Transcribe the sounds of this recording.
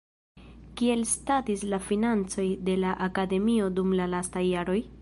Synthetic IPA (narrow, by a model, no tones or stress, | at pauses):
kie̞lstatislafinant͡so̞jde̞laʔakade̞mio̞dumlalastajːaɾo̞j